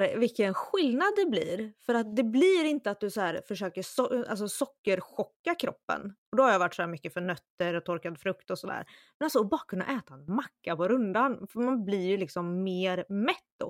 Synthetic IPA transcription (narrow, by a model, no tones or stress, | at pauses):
ɾvɪkːənɧɪlnad̪ːɛblḭːɾfœɾat̪̚d̪ɛblɪɾɪnt̪əat̪̚d̪ɵsɔhæːɾfœʂøːkəsɔa̰ls̬ɔsɔkːəɾɧɔkːakʰɾɔ̰pːə̰nɔd̪ɔhaɾjaːvaʈːsɔhæːɾmʏkːəfœɳœt̪ːəɾɔt̪ʰɔɾkad̪fɾɵkt̪ɔsɔd̪æ̰ːɾmmɛnalsɔːbɑːɾakʰɵnːa̰ʔɛːt̪aɛnmakːapɔɾɵnd̪anfœmanblɪɾjɵlɪksɔmːeːɾmɛt̪ːd̪ɔ̰